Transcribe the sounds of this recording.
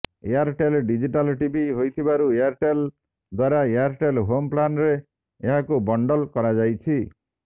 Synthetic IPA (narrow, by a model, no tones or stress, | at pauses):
eaɾʈelɖid͡ʒiʈalʈibiɦojt̪ʰibaɾueaɾʈel | d̪waɾaeaɾʈelɦomplanɾe | eɦakubɔɳɖɔlkɔɾad͡ʒajt͡ʃʰi